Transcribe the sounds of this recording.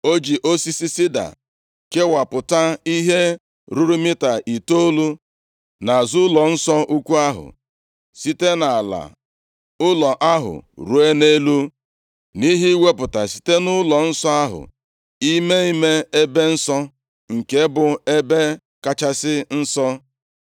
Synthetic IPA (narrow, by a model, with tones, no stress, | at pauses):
o˦d͡ʒi˨ʔo˦si˦si˦si˦da̰˨ | ke˦wa˨pʊ˨ta˦i˦ɦe˦ | ɾu˦ɾu˦mɪ˦ta˨ʔi˨to˦lu˦ | na˨zʊ˦lɔ˨n̩˦sɔ˦ʔu˦kʷu˦a˦ɦʊ̰˨ | si˦te˦na˨a˨la̰˨ | ʊ˦lɔ˨ʔa˦ɦʊ̰˨ɾu˦e˦ne˦lu˦ | ni˦ɦi˦i˦we˦pʊ˨ta˨si̥˨te˦nʊ˦lɔ˨n̩˦sɔ˦a˦ɦʊ̰˨ | i˦me˦i˦me˦e˦be˦n̩˦sɔ˦ | ŋ̩˨ke˦bʊ˨e˦be˦ | ka˦t͡ʃa˦sɪ˦n̩˦sɔ˦